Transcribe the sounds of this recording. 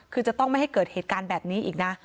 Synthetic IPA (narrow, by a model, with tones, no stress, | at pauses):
kʰɯː˧t͡ɕa˨˩t̪ɔ˥˩ŋma˥˩jha˥˩jkɤː˨˩t̪̚heː˨˩t̪̚kaː˧nbɛː˨˩p̚niː˦˥ʔḭː˨˩k̚na˦˥